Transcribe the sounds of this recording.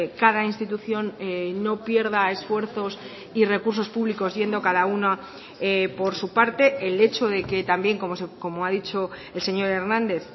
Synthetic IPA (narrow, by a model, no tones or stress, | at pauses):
kað̞ainst̪it̪uθjo̞nːo̞pje̞ɾðae̞sfwe̞ɾθo̞s | ire̞kuɾs̬o̞spuβliko̞zʝe̞nd̪o̞kaðauna | epo̞ɾsupaɾt̪e̞ele̞t͡ʃo̞ðe̞ke̞t̪ambje̞ŋkomosko̞moaðit͡ʃoelse̞ɲo̞ɾe̞ɾnãnd̪e̞θ